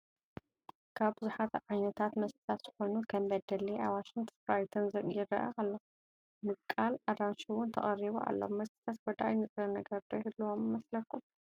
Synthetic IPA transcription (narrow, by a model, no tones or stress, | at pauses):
kʰaβbɨzuħat̪ʕajnɐt̪ʰat̪mɐst̪t̪ʰat̪z̥ɨxo̞nukʰɐmbɐd̪ɐliawaʃɪŋt̪ʰfɾajt̪ʰɐnzɐkʼjɪɾɾɐ̰ʔɐ̰kalːɐ | mɨkʼːalad̪ɾanʃiwʊnt̪ʰɐ̰χʼɐriβuʔa̰lːomːɐst̪ʰi̥t̪ʰat̪wɔd̪a̰jnɨt͡sʼɾɐnɐɡɐɾd̪ojhɨlːuwomɨmɐslɐkːum